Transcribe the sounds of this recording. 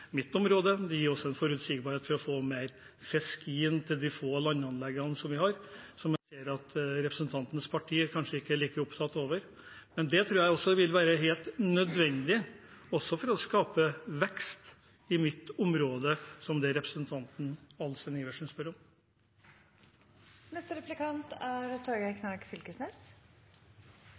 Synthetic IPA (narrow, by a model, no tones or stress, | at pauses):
mɪt̪ːɔmɾoːd̪əd̪ɛjiːɾɔsːɔɛnfɔɾʉt̪sɪɡbɑɾheːt̪fɔɾɔfoːmeːɾ | fɛskiːənt̪ʰɪld̪ɪfoːlɑnːɑnlɛɡːɑnsɔmʋɪhɑɾsɔmjæseːəɾɑt̪ɾɛpɾəsənt̪ʰɑnt̪n̩spʰɑʈʰiːəɾkʰɑnʂəɪkːəæɭiːkəɾʊpt̪ʰɑt̪ːoːʋəɾ | mɛnd̪ɛt̪ʰɾʉːjæɪɔsːɔʋɪlʋæːɾəɦeːlt̪nœd̪ʋɛnd̪ɪ | ɔsːɔfɔɾɔskɑːpəʋɛkst̪ | ɪmɪt̪ʊmɾoːd̪əsɔmd̪ɛɾɛpɾəsənt̪ʰɑnt̪n̩ɑlsɛnɪːʋəʂspœɾɔm | nɛst̪əɾɛplɪkʰɑnt̪æɾt̪ʰɑɾɡəkʰnɑkfɪlkəsneːs